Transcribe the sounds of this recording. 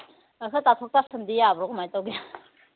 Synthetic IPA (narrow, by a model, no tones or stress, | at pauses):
akʰɯtatʰɔk̚tasɯmdijaːbɾɔkmajtawɡia